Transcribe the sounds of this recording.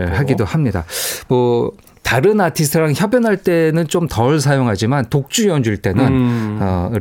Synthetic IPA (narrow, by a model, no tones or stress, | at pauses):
ɭhaɡidohamɲida̰mwʌ | taɾɯnatʰis̬ʰtʰɯɾaŋçjʌbjʌnɦaɭt͈e̞nɯnt͡ɕomtʌɭs̬ʰajoŋɦad͡ʑimantok̚t͡ɕ͈uʌnd͡ʑuɭt͈e̞nɯnnʌ